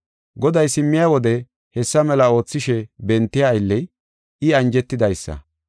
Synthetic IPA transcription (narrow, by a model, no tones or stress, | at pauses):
ɡɔd̪ɐjsɪmːɪjaːwɔd̪ɛ | hɛsːɐmɛlɐo̞ːt͡sːɪʃɛbɛnt̪ːɪjaːjlːɛj | ɪɐnd͡ʒɛt̪ːɪd̪ɐjsːɐ̰